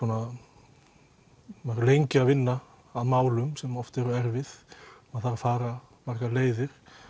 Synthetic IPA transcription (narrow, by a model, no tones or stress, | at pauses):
ɔna | maɾʏlejɲcɪaðvɪnːaː | ðmaːwlʏmsɛmɔft̪ɛɾʏɛɾvɪðɔaðθaɾafaːɾa | mar̥kaleːjðɪɾ̥